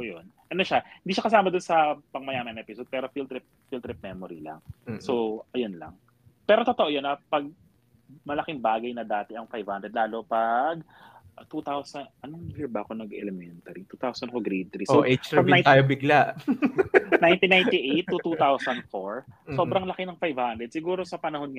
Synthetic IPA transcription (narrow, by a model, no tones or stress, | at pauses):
ojonʔɐno̞ʃahɪnd̪iʃɐkɐs̬aːmɐd̪onsɐpɐŋmɐjaːmɐnɐʔɛpɪsod̪̚pɛːɾo̞filt̪ɾɪp̚ | filt̪ɾɪp̚mɛmoɾḭlɐ̰ŋsoʔɐjonlɐ̰ŋ | pɛːɾot̪ot̪oʔojonɐpɐɡ̚ | mɐlɐkɪŋbaːɡɐjnɐd̪aːt̪ɛɐŋfajv̥hand̪ɾɛd̪laːlo̞pɐɡ | ʔt̪ut̪awsɐnʔɐnoɡɛbɐɐko̞nɐɡʔɛ̰lɛmɛnt̪ɐɾit̪uːt̪awsɐnkoɡɾejd̪̚t̪ɾisoʔet͡ʃɐmaj̪t̪aːjobɪɡlaʔ | najnt̪inajnt̪iʔejt̪ːut̪ut̪awsɐnd̪̚foɹso̞ːbɾɐŋlɐkɪnɐŋfajvhand̪ɾɛd̪̚sɪɡuːɾo̞sɐpɐnɐho̞nŋɐ